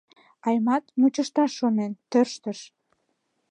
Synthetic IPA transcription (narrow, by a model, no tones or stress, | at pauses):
ɑjmɑt̪̚mut͡ɕəʃt̪ɑʃonent̪ørʃt̪əʃ